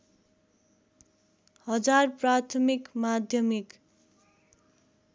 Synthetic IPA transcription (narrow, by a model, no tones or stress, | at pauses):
hʌd͡zarprat̪ʰʌmikmad̪ʱjʌmik